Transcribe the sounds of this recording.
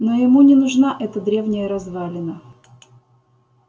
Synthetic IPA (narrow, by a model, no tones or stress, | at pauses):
nojɪmunʲɪnʊʐnaʔɛt̪əd̪ɾʲe̞vnʲɪjəɾɐzvalʲɪnə